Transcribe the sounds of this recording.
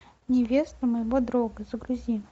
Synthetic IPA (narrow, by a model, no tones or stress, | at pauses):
nʲɪvʲest̪əməjɪvod̪ɾoɡəzəɡɾʊzʲin